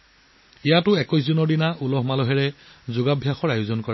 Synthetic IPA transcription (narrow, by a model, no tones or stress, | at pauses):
ijatʊɛkɔjs̬zunɔɹdinaʔulɔɦmalɔɦɛɹɛzʊɡabʱjaxɔɹajʊzɔnkɔɹa